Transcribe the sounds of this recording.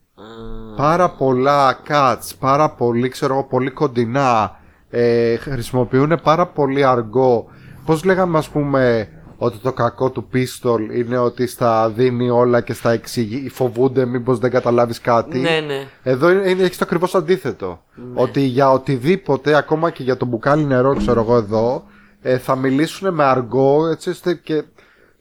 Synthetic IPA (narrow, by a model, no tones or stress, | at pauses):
pɐɾɐpo̞lɐkɐt̪t͡spɐɾɐpo̞likse̞ɾo̞ɣo̞po̞liko̞nd̪inɐ | eɾisimo̞piune̞pɐɾɐpo̞liɐɾɡo̞ | po̞zle̞ɣɐmeɐspume̞ | o̞t̪it̪o̞kɐko̞t̪upist̪o̞line̞o̞t̪ist̪ɐðinio̞lɐce̞st̪ɐeksiʝifo̞vund̪e̞mibo̞zðeŋɡɐt̪ɐlɐviskɐt̪ineðoiineeçist̪oɐkɾivo̞sɐnd̪iθe̞t̪o̞̰ | o̞t̪iʝɐot̪iðipo̞t̪e̞ɐko̞mɐce̞ʝɐt̪o̞bukɐline̞ɾo̞kse̞ɾoɣo̞e̞ðo̞ | eθɐmilisune̞me̞ɐɾɡo̞et͡sio̞st̪ece̞